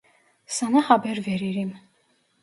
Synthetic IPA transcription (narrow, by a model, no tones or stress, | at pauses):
sɑnɑhɑbɛɾvɛɾiɾim